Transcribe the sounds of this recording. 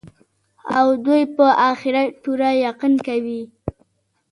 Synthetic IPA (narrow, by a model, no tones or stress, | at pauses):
awd̪ujpəʔaxɪɾapuɾajaqinkawi